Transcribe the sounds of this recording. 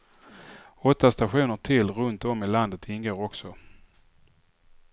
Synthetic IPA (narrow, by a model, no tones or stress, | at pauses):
ɔt̪ːast̪aɧuːnəʈʰɪlɾɵnt̪ɔmɪland̪ət̪ʰɪnɡoːɾɔksɔ